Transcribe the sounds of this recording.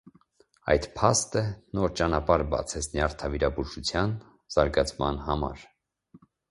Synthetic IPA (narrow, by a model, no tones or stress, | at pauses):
ɑ̰jd̪pʰɑst̪ənɔɾt͡ʃɑnɑpɑɾbɑ̰t͡sʰɛt͡sʰniɑɾt̪ʰɑviɾɑbuʒut͡sʰjɑn | z̥ɑɾɡɑt͡sʰmɑ̰nhɑmɑ̰ɾ